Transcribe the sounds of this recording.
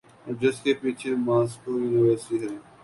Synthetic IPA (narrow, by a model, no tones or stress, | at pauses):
ɔd͡ʒɪskepiːt͡ʃʰemaːskoːjuːnɪʋəːɾsiɦɛː